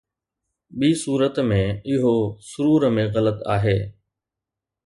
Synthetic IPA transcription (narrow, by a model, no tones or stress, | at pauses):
ɓiːsuːɾət̪mẽɪɦosʊɾuːɾmẽɣɐlət̪aːɦeː